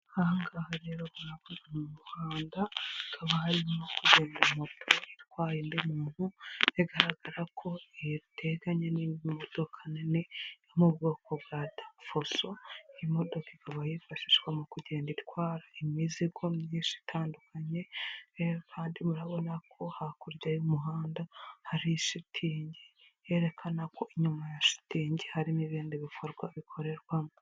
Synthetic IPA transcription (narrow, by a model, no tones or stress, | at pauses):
haŋɡahaɾeɾo̞βuɾaβunamumuhaːndaikʰaβahaɾimokuɟe̞ːndimo̞tʰoitwaːjindimuːn̥hueɡaɾaɡaɾakʰo̞ejβitʰe̞ɡaɲenimod̥o̞kʰanenejomub̚ɡokoβɾadḁfosoimo̞do̞kiɡaβajifaʃiʃɡwamukuɟe̞ːnditwaːɾaimiziɡo̞mɲiːʃi̥tʰaːndukʰaɲe̞ | kʰaːndimuɾaβo̞nakʰo̞hakuɾɟajumuɦaːndahaɾiʃitʰiːɲɟe | je̞ːɾe̞kʰanakʰo̞iɲumajaʃi̥tiːɲɟehaɾiniβiːndiβifoɾɡwaβikʰo̞ɾe̞ɾɡwamo